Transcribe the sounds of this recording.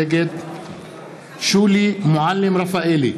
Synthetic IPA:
eɡet̪ | ʃuːlimʊʕalːɪmɾɐfaʔeli

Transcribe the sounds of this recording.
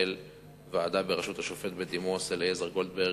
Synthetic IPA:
el | vead̪abe̞ʁaʃuthaʃo̞fet̪bed̪imoselejezeʁɡo̞lt̪̚be

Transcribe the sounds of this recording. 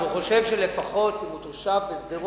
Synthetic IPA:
uχo̞ʃe̞vʃelefaχo̞t̪imut̪uʃavbezd̪iʁ

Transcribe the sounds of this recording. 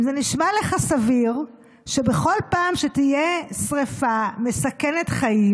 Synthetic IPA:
zeniʃmaleχasaviʁ | ʃe̞be̞χo̞lpaːmʃetijesʁifame̞sake̞net̪χaji

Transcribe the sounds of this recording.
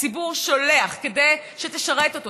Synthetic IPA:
t͡sibuʁʃo̞leaχked̪ejʃet̪eʃaʁet̪ot̪o

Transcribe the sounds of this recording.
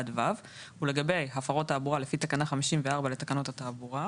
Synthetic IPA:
d̪vav | ule̞ɡabe̞jɦafaʁo̞t̪aːbuʁalefit̪akanaχamiʃimveaʁbale̞t̪akano̞t̪at̪aːbuʁa

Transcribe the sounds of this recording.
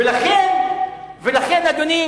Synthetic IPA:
elaχenvelaχenad̪oni

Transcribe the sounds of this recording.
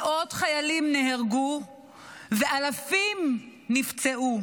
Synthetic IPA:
ʔo̞tχajalimneɦeʁɡu | vealafimnift͡seʔu

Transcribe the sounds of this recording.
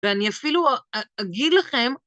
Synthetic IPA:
eaniafiluaaaɡid̪laχe̞m

